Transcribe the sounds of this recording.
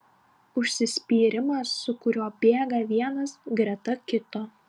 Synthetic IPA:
ʊʃʲsʲɪsʲpʲiːɾʲɪmɐsːʊkʊɾʲoːbʲeːɡɐʋʲiɛnɐsɡɾʲɛt̪ɐkʲɪt̪oː

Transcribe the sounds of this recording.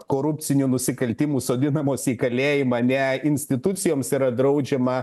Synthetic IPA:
koːɾʊp̪ʲsʲɪnʲuːnʊsʲɪkɐlʲt̪ʲiːmuːsoːd̪ʲɪnɐmoːsiːkɐlʲeːjɪmɐnʲɛɪnʲsʲt̪ʲɪt̪ʊt̪sʲɪjoːmsiːɾɐd̪ɾɐʊd͡ʒʲɛmɐ

